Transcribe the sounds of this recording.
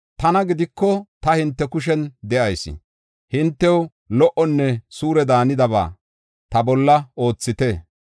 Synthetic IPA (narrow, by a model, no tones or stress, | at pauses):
t̪ɐnɐɡɪd̪ɪkːɔt̪ɐhɪnt̪ːɛkʊʃ̬ɛnd̪ɛʔɐjsɪ̰ | hɪnt̪ːɛw | lɔʔɔnːɛsuːɾɛd̪aːnɪd̪ɐβa̰ː | t̪ɐbɔlːɐo̞ːt͡sːɪt̪e